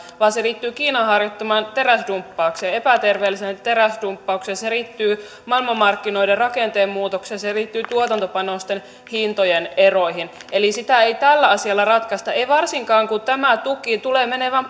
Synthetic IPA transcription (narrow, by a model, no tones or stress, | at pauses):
ʋɑːseriːt̪ːyːkiːnɑhɑrjot̪ːɑmɑːnt̪eræsdumpːɑukseːepæt̪erʋeːlːisent̪eɾæsdumpːɑuksenseriːt̪ːyː | mɑlmɑmːɑrkːinoiderrɑkent̪eːmmuːt̪oksenseriːt̪ːyːt̪uot̪ɑnt̪opɑnost̪en | hint̪ojenerojɦinelisit̪æeit̪ælːæɑsiɑlːɑrɑt̪kɑst̪ɑeiʋɑrsiŋkɑːŋkut̪æmæt̪ukit̪ulemeneʋæm